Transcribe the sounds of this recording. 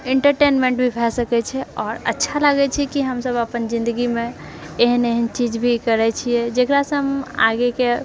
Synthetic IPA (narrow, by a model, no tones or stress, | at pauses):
eɳʈəɾʈenmẽɳʈbʱibʱɛsəkɛt͡ʃʰɛɔːɾə̰tːʃʰalaɡɛt͡ʃʰɛkiɦəmsəbəpənd͡ʒĩnd̪əɡimẽ | eɦəneɦənt͡ʃid͡ʒbʱikəɾɛt͡ʃʰijɛd͡ʒekɾasə̃ɦəma̰ɡeke